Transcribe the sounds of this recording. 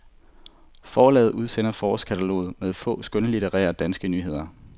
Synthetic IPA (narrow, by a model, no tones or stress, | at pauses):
fɒːlɛ̰ːð̩ˠʔuð̞ˠsen̰ɐfɒːskʰæt͡sʰælo̝̰ːð̩ˠmeðˠfɔ̰̽ːsɡ̥œnəlidʰeʁɛ̰ːɐd̥ænsɡ̥ənyːɦe̝ð̞̰ˠɐ